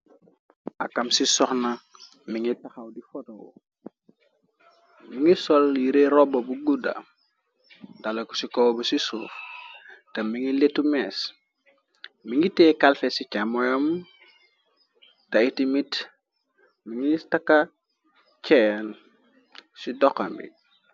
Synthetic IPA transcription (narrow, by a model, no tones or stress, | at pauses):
ʔɐ̰kɐmsisɔxna | miŋitaxɐwdifɔtowṵ | miŋɡisɔljiɾeɾɔbɐbuɡuda̰ | dalɐku̥sikɔwbusisuːf | tɐmiŋiletːumɛːs | miŋɡitɛːkalfɛsicamɔjɐm | tɐitimit | miŋitɐkːɐ | t͡ʃɛn | sidɔkːɐmbḭ